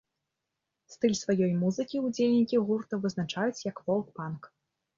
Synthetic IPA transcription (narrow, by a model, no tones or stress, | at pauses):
st̪ɨlʲsvajɔjmuzɨkʲiud͡zʲelʲnʲikʲiɣurt̪ɐvɨznat͡ʂajut͡sʲjɐkvɔlˠk̚pank